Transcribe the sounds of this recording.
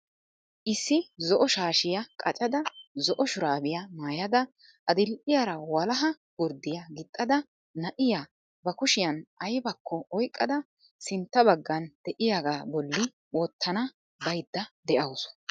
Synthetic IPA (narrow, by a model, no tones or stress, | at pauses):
ʔɪsːɪzɔʔɔʃaːʃɪjɐkʼɐt͡ʃʼɐd̪ɐzɔʔɔʃʊɾaːbɪjɐmaːjɐd̪ɐ | ʔɐd̪ɪlʔɪjɐɾɐwɐlɐɦɐ | ɡʊɾd̪ːɪjɐɡɪt̪ʼːɐd̪ɐ | nɐʔɪja | bɐkʊʃɪjɐnʔɐjbɐkʰːɔɔjkʼːɐd̪ɐ | sɪnt̪ːɐbɐɡːɐnd̪̥ɛʔɪjaɡaːbɔlːɪ | wɔt̪ʰːɐnɐ | bɐjd̪ːɐd̪ɛʔɐwsɔ̥